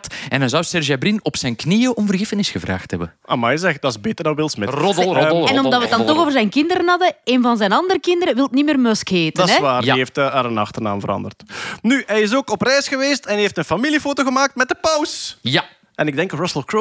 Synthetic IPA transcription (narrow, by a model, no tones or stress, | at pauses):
tɛnɛjzɔwsɛrʒabɾinɔpsɛjnknijəʔɔmvərɣɪfənɪsxəvra̰ːxtɦɛbəa̰majzɛxdɑsbeːtərdɑʋɪlˠsmɪrɔdɛnɔmdɑtʋədɑnt̪ɔoːvərzɛjnkɪndəɾənɦɑdəeːnvɑnzɛjnɑndərəkɪndəɾəʋɪlˠtnimeːrmœskheːtdədɑɛʋaːrjeftəɦaːɾənɑ̰xtərna̰ːmvəɾɑ̰ndərtnyɦɛjɪsoːkɔprɛjsxəʋeːstɛnɦeːftənfamilifoːtoɣəmaːk̚tmɛt̚dəpɑwsja | ɛnɪɡ̚dɛŋkrɔsəlˠko